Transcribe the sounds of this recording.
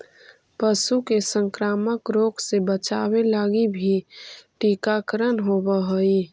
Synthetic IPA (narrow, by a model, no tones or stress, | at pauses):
pəsukesə̃ŋkɾaːməkɾoːksebət͡ʃaːwelaːɡibʱiʈikakɾənɦobəɦoi